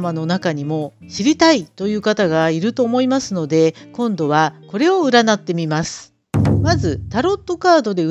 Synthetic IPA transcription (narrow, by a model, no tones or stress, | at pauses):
mano̞nakaɲ̟imo̞ | ɕiɾʲit̪ait̪o̞jɯ̟ːkat̪aɡaiɾɯ̟t̪o̞ːmo̞imasɨno̞d̪e̞kõ̞nd̪o̞β̞ako̞ɾe̞o̞ɯ̟ɾanat̪ːe̞mʲimasɨ̥ | mazɨt̪aɾo̞t̪ːo̞kaːd̪o̞d̪e̞